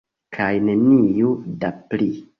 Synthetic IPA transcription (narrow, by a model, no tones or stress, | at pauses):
kʰajnenijudapli